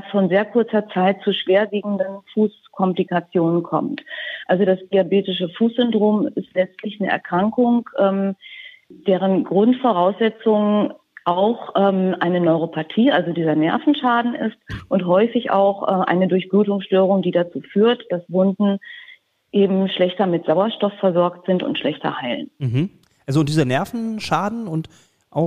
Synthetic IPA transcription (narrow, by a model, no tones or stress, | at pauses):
sfɔnzeːɐkʰʊɐt͡sɐt͡saɪt̚t͡suːʃv̥eːɐviːɡŋ̩dənfuːs | kʰɔmplikat͡sjoːnənkʰɔ̰mtʔalzodasd̥iabeːtɪʃəfuːsz̥ʏndʁoːmɪstlɛt͡stʰlɪçnəʔɛ̰ɐkʁ̥aŋkʊŋʔɛːm | d̥eːʁ̞ənɡʁʊntfɔʁ̞aʊsz̥ɛt͡sʊŋ | ʔaʊxʔɛːmʔa̰ɪnənɔʏʁ̞opʰatʰiːʔa̰lzodiːzɐnɛɐfn̩ʃaːdn̩ʔɪ̰stʔʊntɦɔʏfɪça̰ʊxʔɛʔa̰ɪnədʊɐçb̥ʁuːtʊŋsʃtøːʁ̞ʊŋdiːdat͡suːfyːɐtd̥asvʊndn̩ | ʔeːbm̩ʃlɛçtɐmɪtz̥aʊɐʃtɔfːɛɐzɔɐktz̥ɪntʊ̰ntʃlɛçtɐ̰haɪlə̰nm̩ɦ̩ | ʔalzoʊnd̥iːzɐnɛɐfn̩ʃaːdn̩ʊnt | ʔaʊ